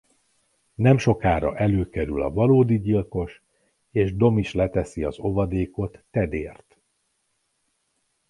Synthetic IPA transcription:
nɛmʃo̞kaːɾɒ̰ʔɛløːkɛɾylɒ̰vɒloːd̪iɟilko̞ʃ | eːʒd̪o̞miʃlɛt̪ɛsiɒzo̞vɒd̪eːko̞t̪ːɛd̪eːrt̪

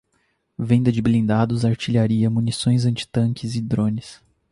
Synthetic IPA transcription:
vẽnd̪ɐd͡ʒɪblĩnd̪ad̪ʊzaɾt͡ʃiʎaɾiɐmunisõj̃zɐ̃nt͡ʃɪ̥t̪ɐ̃ŋkɪzɪd̪ɾõnɪs

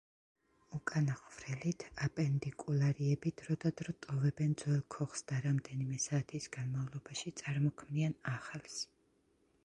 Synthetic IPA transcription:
ukʼanaχvɾɛlit̪ʰapʼɛnd̪ikʼulˠaɾiɛbid̪ʰɾɔd̪ad̪ɾɔt̪ʼɔvɛbɛnd̪zwɛlˠkʰɔχsd̪̥aɾamd̪ɛnimɛsaːt̪ʰisɡ̥anmavlˠɔbaʃit̪sʼaɾmɔkʰmianaχlˠs

